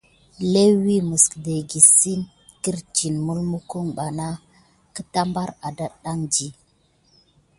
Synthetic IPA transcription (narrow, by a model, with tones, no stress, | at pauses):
le˦wi˦mu˨skde˨ɡi˨si˦m | ki˦ɾt͡ʃi˨nmu˦lmu˦ku˦ŋɓa˨na˦ | kə˦ta˦mba˦ɾa˨da˦ɗa˦ŋd͡ʒi˦